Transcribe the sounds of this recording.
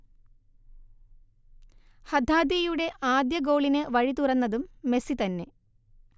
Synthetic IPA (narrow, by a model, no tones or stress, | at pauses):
hɐd̪ʱaːd̪jejuɽe̞ʔaːd̪jɐɡo̞ːɭinɨʋɐɻit̪urɐnːɐðumːe̞sit̪ɐnːe̞̰